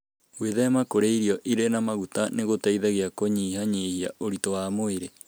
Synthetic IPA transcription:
weðɛmakoɾeiɾiɔʔiɾenamaɣutaneɣotaiðɛɣeakoɲihaɲehia̰oɾitowamoeɾe

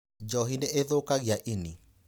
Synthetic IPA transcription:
d͡ʒɔɦineʔeðokaɣiaʔini

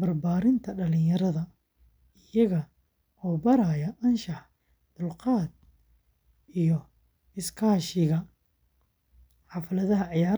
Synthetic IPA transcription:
bɐrbaːɾɪnt̪ʰɐɖɐlɪɲjɐɾɐðɐ | ɪjɐɣɐ | ʔɔːbɐɾaːjɐʔɐnʃɑħ | d̪̥ʊlqɑːd̪̚ | ijɔ | ɪskʰaːʃɪɣɐ | ħɑfɐlɐðɐɦɐʕɪjaːɾ

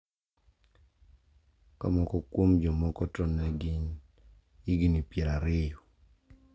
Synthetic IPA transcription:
ka̰mɔkɔkwomd͡ʒɔmɔkɔtɔnɛɡin | iɡinipjɛɾaɾɪjɔ

